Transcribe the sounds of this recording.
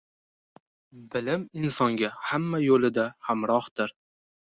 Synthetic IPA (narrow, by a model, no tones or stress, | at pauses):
bɪlɪmɪnsɒŋɡʲahamːajolɪd̪ahamɾɒhd̪̥ɪɾ